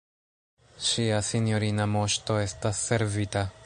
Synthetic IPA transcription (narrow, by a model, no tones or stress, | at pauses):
ʃiasinjo̞ɾinamo̞ʃto̞e̞stasːe̞ɾvita